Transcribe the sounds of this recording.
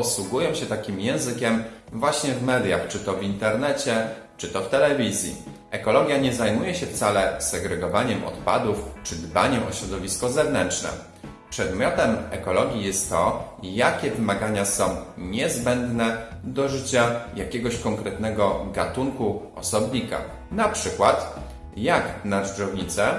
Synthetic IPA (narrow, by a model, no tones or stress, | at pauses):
ɔswuɡujɔ̃w̃ɕɛt̪akʲimjɛ̃w̃zɘkʲɛm | vwaɕɲɛvmɛd̪ʲjaxt͡ʂɘt̪ɔvʲint̪ɛɾnɛt͡ɕɛ | t͡ʂɘt̪ɔft̪ɛlɛvʲizʲjḭ | ʔɛkɔlɔɡʲjaɲɛzajmujɛɕɛft̪salɛsɛɡɾɛɡɔvaɲɛmʔɔ̰t̪pa̰d̪uft͡ʂɘd̪ba̰ɲɛmɔɕɾɔd̪ɔvʲiskɔzɛvnɛnt͡ʂnɛ̰ | pʂɛd̪mʲjɔt̪ɛmɛkɔlɔɡʲijɛst̪ːɔjakʲɛvɘmaɡaɲasɔ̃w̃ɲɛzbɛnd̪nɛd̪ɔʐɘt͡ɕajakʲɛɡɔɕkɔŋkɾɛt̪nɛɡɔɡat̪uŋku | ɔsɔbɲika̰ | napʂɘkwat̪ | jaknadɔvɲit̪sɛ